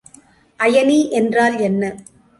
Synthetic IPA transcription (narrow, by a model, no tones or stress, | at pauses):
ʔɐjɐniːʔɛndraːlɛnːɐ